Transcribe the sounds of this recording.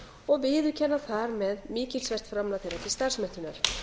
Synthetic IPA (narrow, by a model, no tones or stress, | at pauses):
ɔɣvɪːðʏcʰɛnːaθaɾmɛðmɪːcɪl̥svɛr̥t̪fɾamlaθeɾɛhtcɪst̪ar̥smɛht̪ʏnaɾ̥